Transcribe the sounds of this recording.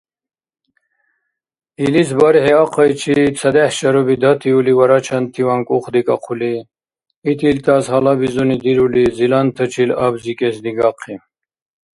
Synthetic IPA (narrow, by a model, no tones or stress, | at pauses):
ilisbaɾhɛaqʰəjt͡ʃʰit͡sʰɐd̪ɛhʃɐɾubid̪at̪ʰiuliwaɾat͡ʃʰant̪ʰiwaŋkʼuχd̪ikʼaqʰuliː | t̪ʰilt̪ʰashalabizunid̪iɾulizilant̪ʰət͡ʃʰilabzikʼɛsd̪iɡaqʰːi